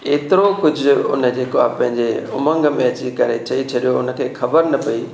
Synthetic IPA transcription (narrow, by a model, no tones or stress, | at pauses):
eːt̪ɪɾokʊd͡ʑʱʊ̆ʊ̰nə̆d͡ʑeːkoapɐ̃ɦɪ̃ɲd͡ʑeʊmə̃ŋɡmẽɐt͡ɕikɐɾet͡ɕɐit͡ɕʰɐɗijoʊnə̆kʰeːxʰɐbəɾnɐpɐi